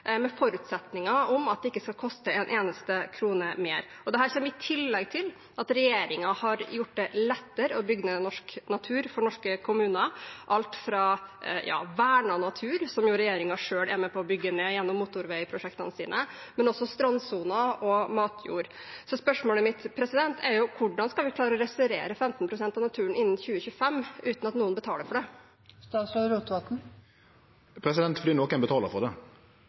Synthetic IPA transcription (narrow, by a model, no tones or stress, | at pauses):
mɛfɔɾʉt̪sɛt̪nɪŋɑɔmɑt̪̚d̪ɛɪkːəskɑlkʰɔst̪əɛnʔeːnəst̪əkʰɾuːnəmeːɾ | ɔd̪ɛɦæːɾçeːɾmɪt̪ʰɪlːɛɡt̪ʰɪl | ʔɑt̪ɾɛjeːɾɪŋɑhɑɾjʊʈːd̪ɛlɛt̪ːəɾəɔbʏɡːənenɔʂknɑt̪ʰʉːɾfɔɳɔʂkəkʰʊmʉːnɑʔɑlt̪fɾɑjɑ̰ːʋæːɳɑnɑt̪ʰʉːɾsɔmjʊɾɛjeːɾɪŋɑʂøːɭɛ̰mɛpʰɔɔbʏɡːəneːjɛnːɔmːut̪ʊɾʋɛɪpʰɾʊʂɛkt̪ənəsiːnʔəmɛnɔsːɔst̪ɾɑnsuːnɑʔɔmɑːt̪ʰjṵːɾsɔspœʂmoːləmɪt̪pʰɾɛsɪd̪ɛnt̪ʰɛɾjʊkʰʊɖɑnskɑlʋɪklɑːɾɔɾɛsəɾḛːɾəfɛmt̪npʰɾʊsɛnt̪ɑʋnɑt̪ʰʉːnɪnːnçʉːəçʉːəfɛmːʔʉːt̪nɑt̪nuːnbət̪ʰɑːləɾfɔɖɛ | st̪ɑːsɾɑːd̪ɾuːt̪ʋɑt̪n̩ | pʰɾɛsɪd̪ɛnt̪fɔd̪iːnokːɛnbət̪ʰɑːləfɔɖ̪ɛ